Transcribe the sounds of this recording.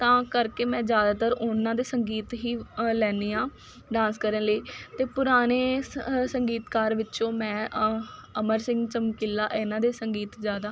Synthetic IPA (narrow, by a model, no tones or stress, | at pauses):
t̪ãːkəɾkeːmɛ̃ːd͡ʒjaːd̪aːt̪əɾʊnãːd̪eːsəŋɡiːt̪ɦiːlɛːniːãː | ɖãːnskəɾənləiːt̪eːpʊɾaːneːsəŋɡiːt̪kaːɾʋɪt͡ʃõːmɛ̃ː | əməɾsɪ̃ŋɡt͡ʃəmkɪlːaːʔɪnãːd̪eːsəŋɡiːt̪zjaːd̪aː